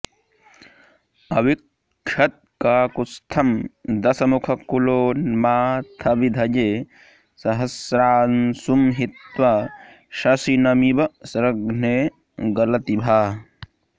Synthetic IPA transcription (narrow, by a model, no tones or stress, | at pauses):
ɐʋik | ʃɐt̪̚kaːkust̪ʰɐmd̪ɐsɐmukʰɐkuloːnmaːt̪ʰɐʋid̪ʱɐd͡ʒeː | sɐɦɐsɾaːnsumɦit̪ʋa | ʃɐsinɐmibɐsɾɐɡneː | ɡɐlɐt̪ibʱaː